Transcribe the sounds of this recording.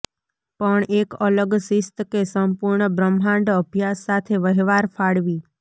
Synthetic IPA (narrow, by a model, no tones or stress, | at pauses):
pəɳekələɡsɪst̪kesəmpuɾɳəbɾəmɦãɳɖəbʱjasːat̪ʰeʋəɦʋaɾfʰaɽʋi